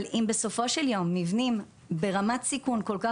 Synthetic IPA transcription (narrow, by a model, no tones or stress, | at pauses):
limbeso̞fo̞ʃeljo̞mːivnim | be̞ʁamatsikunko̞lka